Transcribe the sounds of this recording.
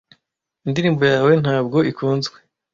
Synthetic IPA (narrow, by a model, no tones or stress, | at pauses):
indiɾiːmbojaːwe̞n̥haːb̚ɡo̞ikuːnzɡwe̞